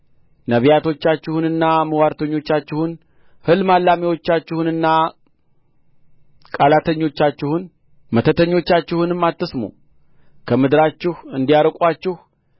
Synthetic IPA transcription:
nəβijat̪ʰo̞t͡ʃːat͡ʃːɪhunɨnːaməwaɾt̪ʰəɲːo̞t͡ʃːat͡ʃːɪhun | hɨlmalːamiwo̞t͡ʃːat͡ʃːɪhunɨnːa | kʼalat̪ʰəɲːo̞t͡ʃːat͡ʃːɪhun | mət̪ʰət̪ʰəɲːo̞t͡ʃːat͡ʃːɪhunɨmːat̪ːəsmṵ | kʰəmɨd̪ɾat͡ʃːɪhɨnd̪ijaɾəkʷʼat͡ʃːɪh

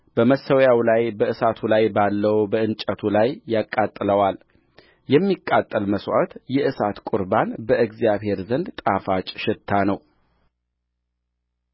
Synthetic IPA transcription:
b̥əməsəwjawlajbəʔɨsat̪ʰulajbalːəwbəɨnt͡ʃʼət̪ʰulajːakʼːat̪ʼːɨləwal | jɛmːikʼːat̪ʼːəlməswa̰t̪jɛʔɨsat̪kʼʊɾbanbəʔɨɡzjaβhe̞ɾzənd̪t̪ʼafat͡ʃʼʃɪt̪ʰːanəw

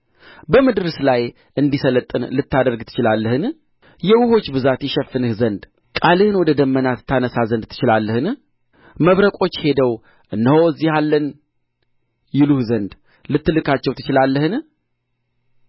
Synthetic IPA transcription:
bəmɨd̪ɨɾslaj | ʔɨnd̪isələt̪ʼːɨnlɨt̪ːad̪əɾɡt̪ʰɨ̥t͡ʃɪlalːəhɨn | jɛwʊho̞t͡ʃːbɨzat̪jɛʃɛfːɨnɨhzənd̪ | kʼalɨhɨnwɔd̪əd̪əmːənat̪t̪ʰːanəsazənd̪t̪ʰːɨ̥t͡ʃɪlalːəhɨn | məβɾəkʼo̞t͡ʃːhe̞d̪əw | ʔɨnːəhoɨzːihalːən | jɪluhzənd̪ | lɨt̪ːɨlɨkat͡ʃːɛwt̪ʰɨ̥t͡ʃɪlalːəhɨn

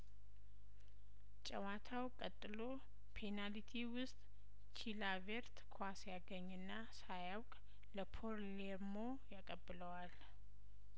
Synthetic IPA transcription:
t͡ʃʼəwat̪ʰawkʼət̪ʼːɨlo̞ | pʰenalit̪ʰiwʊst̪ʼ | t͡ʃʰilaveɾt̪kʰwasjaɡəɲːɨnːa | sajawkʼ | ləpʰoɾlemo̞ | jakʼəbːɨləwal

